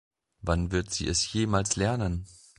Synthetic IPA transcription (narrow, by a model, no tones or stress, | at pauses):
vanvɪɐtz̥ḭːɛsjeːmaːlslɛɐnən